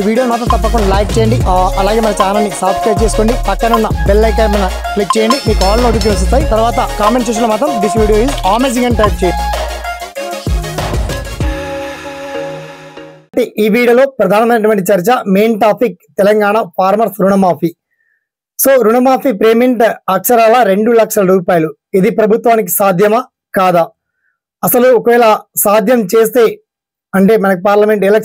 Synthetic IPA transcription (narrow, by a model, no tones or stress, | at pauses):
iʋiːɽijoːmaːt̪̬ɾɐmt̪ɐpːɐk̬uɳːɐlɐjk̚t͡ʃɛːjɐɳɖiɐlaːɡeːmɐnɐt͡ʃaːlaːnːisɐːpskɾɐjp̚t͡ʃeːsu̥koːɳɖipɐkːɐnunːɐbelːɐjkɐːmɐnɐ | plik̚t͡ʃɛːjɐɳɖimiːkuaːlnoːʈ̬ik̬ːiɐs̬ist̪aːjit̪ɐɾʋaːt̪ɐkaːmeɳʈseːʂɐnlomaːt̪ɾɐmɖisʋiːɽijoːiːzaːmeːd͡ʒiŋɡɐɳʈɐjp̚t͡ʃeːjʈ̪ | ʈiʔiːbiːɽɐlo̞ːpɾɐd̪ʱaːnɐmɐjnːɐʈʋɐɳʈit͡ʃɐɾt͡ʃɐmeːnʈaːpʰik̚t̪ɛlɐŋɡaːɳapʰaːɾmɐɾsɾuɳɐmaːpʰi | so̞ːɾuɳɐmaːpʰipɾeːmiɳʈɐkʂɐɾaːlɐɾe̞ɳɖulɐkʂɐlɐɾuːpaːjɐlu | id̪ipɾɐbʱut̪ʋaːnik̬i̥saːd̪ʱjɐma | kaːd̪a | ɐsɐluɔkɐʋɛːlɐsaːd̪ʱjɐmt͡ʃeːst̪e̞ː | ɐɳʈe̞ːmɐnɐkipaːɾlɐmeɳʈɛlɐk